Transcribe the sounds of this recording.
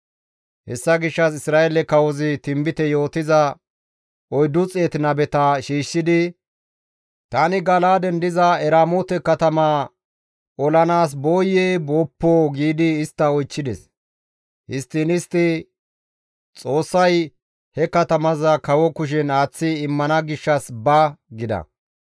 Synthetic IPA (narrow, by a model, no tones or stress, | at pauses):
hɛ̰sːɐɡɪʃːɐsɪsɾaːelɛkɐwɔzɪt̪ɪmbɪt̪ɛjo̞ːt̪ɪzɐ | ɔjd̪ʊt͡sʼeːt̪ɪnɐbɛt̪ɐʃiːʃːɪd̪ɪ | t̪anɪɡɐlaːd̪ɛnd̪ɪzɐɛɾaːmoːt̪ɛkɐt̪ɐma | ɔlɐnaːs̬bo̞ːjeːboːpːoːɡiːd̪ɪːst̪ːɐɔjt͡ʃːɪd̪ɛs | hɪst̪ːɪnɪst̪ːɪ | t͡sʼo̞ːsːɐj | hɛkɐt̪ɐmɐzɐkɐwɔkʊʃ̬ɛnaːt͡sːɪɪmːɐnɐɡɪʃːɐsbɐɡɪd̪ɐ̰